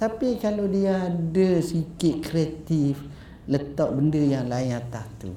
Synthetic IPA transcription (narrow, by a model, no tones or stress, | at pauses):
t̪apikalodiaːdəsikɪt̪̚kɾiat̪if | lət̪aʔ̚bəndəjaŋlaɪnat̪aht̪ṵ